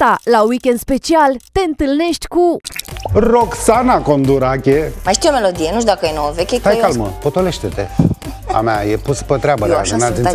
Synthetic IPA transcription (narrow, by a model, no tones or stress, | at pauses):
t̪alawikʲend̪spe̞t͡ʃialt̪e̞ɨnt̪ɨlne̞ʃt̪ʲku | roksanako̞nd̪uɾakʲemajʃt̪ijomelod̪ijenuʃ̬d̪akəjenowəvekʲet̪ajkalməpot̪oleʃt̪et̪ḛa̰majepuspət̪ɾʲabəa̰znazi